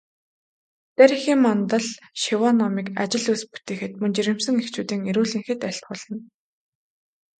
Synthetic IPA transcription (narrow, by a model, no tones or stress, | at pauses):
t͡s̪æɾʲixiːmːɔnt̪ə̆ɮ | ʃiwɔnɔmiːka̰t͡ɕɪ̆ɮujspu̥t̪eːxɘ̆t̪̚mɵnt͡ɕiɾɪ̆msɘ̆ŋekt͡ɕuːt̪iːŋeɾuːɮiːŋxɘ̆t̪æɬʲt̪̚χʊːɮə̆n